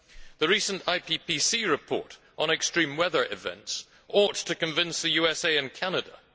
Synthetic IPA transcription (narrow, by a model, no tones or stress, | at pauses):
ðəɹisə̃ntʰaɪpʰipʰisiɹɨpʰɔ̰ɹɾ | n̩ɛkstɹ̥ĩmwɛðə˞ʔɪ̰vɛ̰̃nts | ʔɔtʰɨkɨ̃ɱvɪ̃nsðɨjʉɛseɪɨ̃nkʰænədə̰